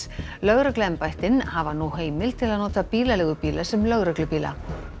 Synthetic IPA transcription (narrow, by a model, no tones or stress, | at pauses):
lœɣɾœklʏɛmpajht̪ɪnhavanuɦeːjmɪlt̪ʰɪlaðnoːt̪apiːlalɛɣʏpiːlasɛmlœɣɾœklʏpiːla̰